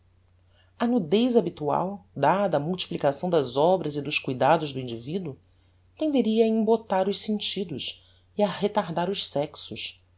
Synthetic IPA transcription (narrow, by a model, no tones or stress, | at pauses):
ɐnud̪ejzabit̪ua̰wd̪ad̪ɐːmuwt͡ʃi̥plikasɐ̃w̃d̪ɐzɔbɾɐzɪd̪ʊskujd̪ad̪ʊʒd̪ʊĩnd͡ʒivid̪u | t̪ẽnd̪eɾiɐːĩmbot̪aɾʊʃsẽnt͡ʃid̪ʊʃ | iɐhet̪aɾd̪aɾʊʃsɛksʊʃ